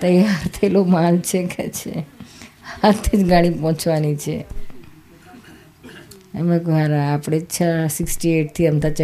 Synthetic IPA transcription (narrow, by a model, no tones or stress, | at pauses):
t̪əjaɾt̪ʰəilomant͡ʃʰekʰet͡ʃʰḛ | at̪ʰːid͡ʒɡaɽ̃ipɔ̃ɦt͡ʃʰʋanit͡ʃʰḛ | əmẽkoɦaɾaapɽ̃ed͡ʒt͡ʃʰasɪksʈieʈ̚t̪ʰiənd̪at͡ʃ